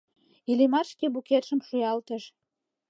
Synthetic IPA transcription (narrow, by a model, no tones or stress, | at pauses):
ilimɑrʃkebuket̪ʃə̆mʃujɑlt̪ə̆ʃ